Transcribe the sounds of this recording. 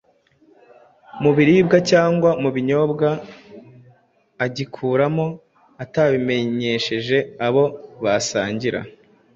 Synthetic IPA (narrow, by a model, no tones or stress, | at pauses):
muβiɾiːb̚ɡacaːŋɡwamuβiɲo̞bɡa | ɟikʰuːɾamo̞ | ataβime̞ɲe̞ʃe̞ʒe̞aβo̞βasaːɲɟiɾa̰